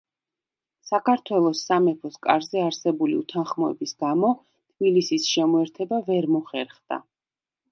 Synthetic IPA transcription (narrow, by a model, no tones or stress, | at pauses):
sakʰaɾt̪ʰwɛlˠɔsːamɛpʰɔskʼaɾzɛaɾsɛbulḭṵt̪ʰanχmɔɛ̰bisɡ̥amɔ | t̪ʰb̥ilisisʃɛmɔɛɾt̪ʰɛbavɛɾmɔχɛɾχd̪̥a̰